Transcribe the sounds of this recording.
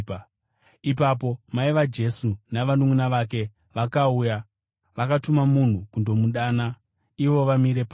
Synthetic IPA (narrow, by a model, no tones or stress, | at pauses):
ip̬ap̬o̞maiʋad͡ʒe̞sunaʋanumunaʋak̬e̞ | ʋakauja | ʋakatumamun̤ukundo̞muɗaːna | iʋo̞ʋamiɾe̞pa